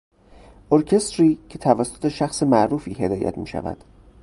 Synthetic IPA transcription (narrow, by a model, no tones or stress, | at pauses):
ʔoɾcʰe̞st̪ɾiːcʰe̞t̪ʰævæsːo̥t̪ʰe̞ʃæxse̞mæʔɾuːfiːɦe̞d̪ɒːjæ̰t̪ʰmiːʃæ̰væ̰d̪̥